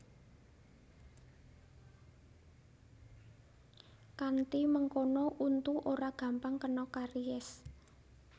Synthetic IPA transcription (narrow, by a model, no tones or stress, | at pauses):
kant̪iməŋkonɔʔunt̪uʔoɾaɡ̥ä̤mpaŋkənɔkaɾiɛs